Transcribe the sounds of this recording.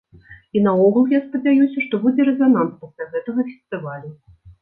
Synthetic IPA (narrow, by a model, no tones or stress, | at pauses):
inɐɔɣulˠjaspɐd͡zʲajusʲɐʂt̪ɔbud͡zʲɛɾɛzananspɔsʲlʲaɣɛt̪ɐɣɐfʲɛst̪ɨvalʲu